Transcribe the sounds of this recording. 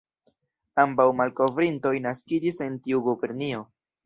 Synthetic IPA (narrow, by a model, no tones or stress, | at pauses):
ambawmalko̞vɾinto̞jnaskid͡ʒise̞ntiuɡubeɾnio̞